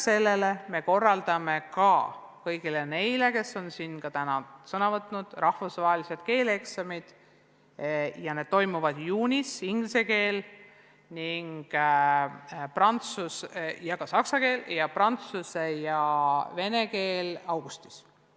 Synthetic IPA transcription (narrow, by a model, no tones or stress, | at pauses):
se̞lːe̞le̞me̞ko̞rːɑld̪̥ɑme̞kɑ̰ | kɤjɡilene̞jle̞ke̞sːo̞nsinːkɑt̪ænɑsɤnɑvɤt̪ːˑnud̪̥rɑhfusvɑɦelise̞d̪̥̚ke̞ːleksɑmid̪̥ | jɑne̞d̥̪̚t̪o̞jmuvɑd̪̥juːnʲisiŋɡlise̞ke̞ːl | niŋɡ̥ | prɑnt̪susjɑkɑsɑksɑke̞ːljɑprɑnt̪susejɑve̞ne̞ke̞ːlɑwɡ̥ust̪i̥s